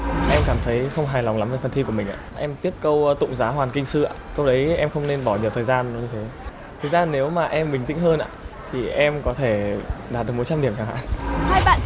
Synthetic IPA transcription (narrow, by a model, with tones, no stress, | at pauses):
ʔɛ˧mkaː˧˩mt̪ʰə˨˦jxə˧wŋ͡mɦaː˨˩jla˨˩ŋ͡mla˨˦mve˨˩fə˨˩nt̪ʰi˧ku˧˩əmï˨˩ŋ̟ʔaː˧˨ʔɛ˧mt̪i˦˥əp̚kə˧wt̪ʊ̰˧˨ŋ͡mzaː˨˦ɦwaː˨˩nkï˧ŋ̟sɨ˧ʔa̰ː˨kə˧wɗə˨˦jʔɛ˧mxə˧wŋ͡mne˧nɓɔ˧˩ɲi˨˩əwt̪ʰəː˨˩jzaː˧nə˨˦ɲɨ˧t̪ʰe˨˦ | t̪ʰəː˨˩jzaː˧nːe˨˦wmaː˨˩ʔɛ˧mɓï˨˩ŋ̟t̪ḭ̈˧˥ŋ̟hɦəː˧nʔa̰ː˧˨t̪ʰi˨˩ʔɛ˧mkɔ˨˦t̪ʰe˧˩ɗaː˨˩t̚ɗɨ˨˩kmo˨˦jt͡ɕaː˧mɗi˧˩əmt͡ɕaː˧˩ŋha̰ː˧˥˦naː˧ɓa̰ː˧˨n